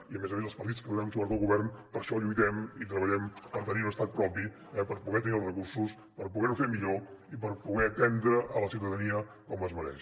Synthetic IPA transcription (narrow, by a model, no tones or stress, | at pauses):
iəmɛzəmezəlˠspəɾt̪itt͡skəðunɛmsoβɾət̪olˠɣuβɛrnpəɾʃɔʎujt̪ɛmit̪ɾəβəʎɛmpəɾt̪əniunəst̪at̪̚pɾɔpi | ɛpəɾpuɣɛt̪ənilˠrəkuɾsus | pəɾpuɣɛnufemiʎoipəɾpuɣɛət̪ɛnd̪ɾəʔələsiwt̪əðəniə | kɔməzməɾɛ̰ʃ